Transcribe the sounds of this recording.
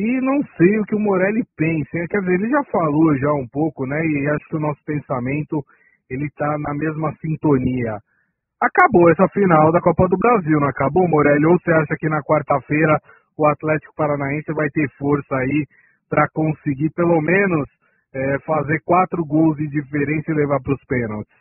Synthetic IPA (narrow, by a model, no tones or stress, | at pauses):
ɪnɐ̃w̃sejʊkɪʊmoɾɛlɪpẽsɪɛkɛɾd͡ʒɪzeɾelɪʒafaloʒaũpowkʊnɛɪaʃʊ̥kɪʊnɔsʊ̥pẽsamẽnt̪ʊ | elɪt̪anɐmezmɐsĩnt̪oniɐ | akaboɛsɐfinawd̪ɐkɔpɐd̪ʊbɾaziwñakabomoɾɛlʊowseaʃɐkɪnɐkwaɾt̪ɐfejɾɐ | ʊat̪lɛt͡ʃɪ̥kʊ̥paɾanaẽsɪvajt̪eɾfoɾsɐai | pɾɐkõsɪɡipelomẽnʊs | ɛfazeɾkwat̪ɾʊɡowzɪ̃d͡ʒifeɾẽnsɪlevaɾpɾʊspẽnawt͡ʃɪ̥s